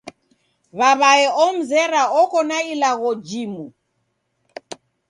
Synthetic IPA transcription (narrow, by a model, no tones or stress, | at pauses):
βaβaɛɔm̩zɛɾaɔkɔnailaɣɔd͡ʒimu